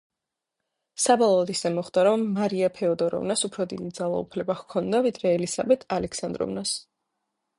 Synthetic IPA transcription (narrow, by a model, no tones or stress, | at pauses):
sabɔlˠɔːd̪isɛmɔχd̪̥aɾɔmːaɾiapʰɛɔd̪ɔɾɔ̰vnasupʰɾɔd̪id̪id̪zalˠa̰ṵpʰlɛbahkʰɔnd̪avid̪ɾɛːlisabɛt̪ʰalɛkʰsand̪ɾɔ̰vnas